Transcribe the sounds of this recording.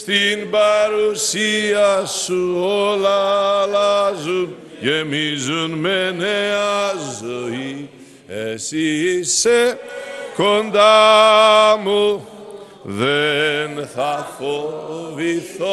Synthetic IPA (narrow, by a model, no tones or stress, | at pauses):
t̪inbaɾusiasuolalazun | jemizunmeneazɔi | esise | kond̪a | mu | ðenθafoviθo